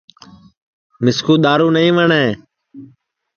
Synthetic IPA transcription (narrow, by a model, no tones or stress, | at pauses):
mɪskʰuːɗ̪aːɾuːnəĩːʋəɳeː